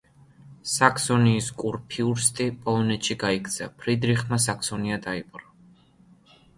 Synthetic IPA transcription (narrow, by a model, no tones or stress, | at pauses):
sakʰsɔniːskʼuɾpʰiuɾst̪ʼipʼɔlˠɔnɛt̪ʃiɡaikʰt̪sʰapʰɾid̪ɾiχmas̬akʰsɔniad̪aipʼɾɔ